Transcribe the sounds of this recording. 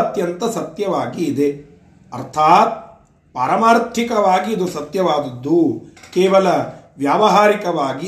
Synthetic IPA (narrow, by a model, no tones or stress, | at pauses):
ɐt̪jɐnt̪ɐsɐt̪jɐʋaːɡiːd̪e | ɐɾt̪ʰaːt̪̚ | paːɾɐmaːɾt̪ʰikɐʋaːɡiːd̪usɐt̪jɐʋaːd̪ɐd̪ːukɛːʋɐlɐʋjaːʋɐɦaːɾikɐʋaːɡi